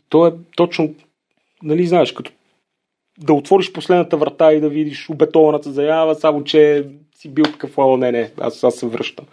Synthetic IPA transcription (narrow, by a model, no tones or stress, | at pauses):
t̪ɔɛt̪ɔt͡ʃnʊ | nɐliznaɛʃkɐt̪ɔ̥ | d̪ɐot̪vɔɾiʃposlɛd̪nɐt̪əvɾɐt̪aid̪ɐvid̪iʃobɛt̪ɔvɐnət̪əzɐnʲavɐsamot͡ʃɛ | sibilˠt̪ɐ̥kɤflˠalˠənɛnɛa̰sasːɛvɾɤ̰ʃt̪əm